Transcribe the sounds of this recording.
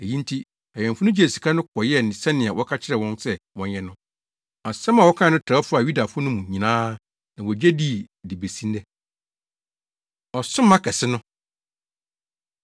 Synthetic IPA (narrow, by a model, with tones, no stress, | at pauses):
æ˨jĩ˦n˦tʰi˦ | a˨jɛ̃˨fʊ˦nʊ̃˦d͡ʑe˨si˨kʰa˦nʊ̃˦kʰɔ˨jɛ˦nɪ̃˨sɛ˦nɪ̃˨a˨wʔɔ˦kʰa˦t͡ɕʰɪ˦ɾɛ˨wɔ̃˦nsɛ˦wɔ̃˨njɛ˦nʊ̃˦ | a˨sɛ̃˦ma˨wɔ˦kʰã˦˨nʊ̃˦tʰa˨˦fʊ˦a˨ju˦da˨fʊ˦ʊ˦nʊ̃˦mũ˨ɲĩ˨nãː˦ | nã˨wɔ˨d͡ʑɛ˦di˦˨ | di˨be˨sĩ˦n˦dɛ˦ | ɔ˨sʊ̃˦mã˦kʰɛ˨sɪ˦nʊ̃˦